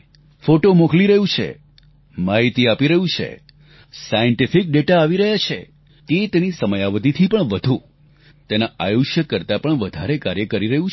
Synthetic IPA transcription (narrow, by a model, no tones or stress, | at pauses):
foʈomokliɾəɦũt͡ʃʰḛ | maɦit̪iapiɾəɦũt͡ʃʰḛ | sajəɳʈifɪk̚ɖeʈaːʋiɾəɦjat͡ʃʰḛ | t̪et̪enisəməjaʋət̪it̪ʰipəɳʋəd̪ʱu | t̪enaajoʃjəkːəɾt̪apəɳʋəd̪ʱaɾekaɾjəkəɾiɾəɦũt͡ʃ